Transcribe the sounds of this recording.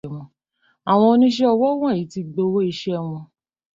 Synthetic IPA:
wɔ̃˨˧ | a˨w̃ɔ̃˧o˧˦nĩ˦ʃ̬ɛ˦ɔ˧wɔ˦w̃ã˦˨i˨˦ti˧ɡ͡bo˧˦wo˦i˧ʃɛ˦w̃ɔ̃˧

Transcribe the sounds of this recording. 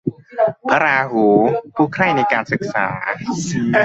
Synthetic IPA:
pa˧ɾaː˧huː˩˦pʰuː˥˩kʰɾa˥˩jna˧jkaː˧nsɯ˨˩k̚sa̰ː˩˦

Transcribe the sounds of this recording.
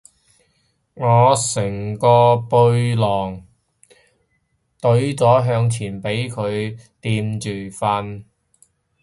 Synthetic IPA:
ŋɔː˨˧sɪ˨˩ŋkɔː˧pɵ˧ɥlɔː˨˩ŋ | t̪ɵ˨˥ɥt͡sɔː˨˥ɦœː˧ŋt͡sʰiː˨˩npe˨˥jkʰɵ˨˧ɥt̪iː˧mt͡ʃyː˨˩fɐ˧n

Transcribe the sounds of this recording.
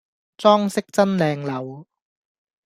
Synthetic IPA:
t͡sɔː˥ŋsɪ˥k̚t͡sɐ˥nlɛː˧ŋlɐ˨˧w

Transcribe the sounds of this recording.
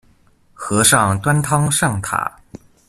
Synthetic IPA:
xɤ˧˥ʂɑ˥˧ŋt̪wa˥nt̪ʰɑ˥ŋʂɑ˥˩ŋt̪ʰa̰˨˩˦

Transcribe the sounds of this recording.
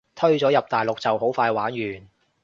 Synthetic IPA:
t̪ʰɵ˥ɥt͡sɔː˨˥jɐ˨p̚t̪aː˨jlʊ˨k̚t͡sɐ˨wɦo˨˥wfaː˧jwaː˨˥nɥyː˨˩n

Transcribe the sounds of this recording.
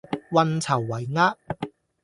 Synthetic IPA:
wɐ˧nt͡sʰɐ˨˩wːɐ˨˩jŋaː˥t̚

